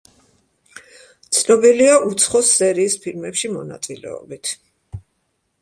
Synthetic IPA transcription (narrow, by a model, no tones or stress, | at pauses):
t̪sʰnɔbiliaʔut̪sʰχɔsːɛɾiːspʰilmɛpʃimɔna̰t̪sʼilɛ̰ɔ̰bit̪ʰ